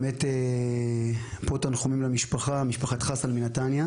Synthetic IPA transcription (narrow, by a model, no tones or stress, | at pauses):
mete | potanχomimlamiʃpaχamiʃpaχat̪χasalminatanja